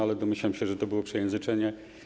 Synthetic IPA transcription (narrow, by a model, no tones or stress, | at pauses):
alɛd̪ɔmɘɕlamɕɛʐɛt̪ɔbɘwɔpʂɛjɛ̃nzɘt͡ʂɛɲɛ